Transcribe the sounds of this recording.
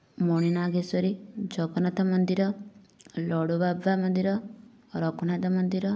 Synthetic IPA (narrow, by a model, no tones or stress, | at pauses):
mɔɽ̃inaɡesɔɾid͡ʒɔɡɔnat̪amɔnd̪iɾɔ | lɔɽubabʋamɔnd̪iɾɔ | ɾɔkɔnat̪amɔnd̪iɾɔ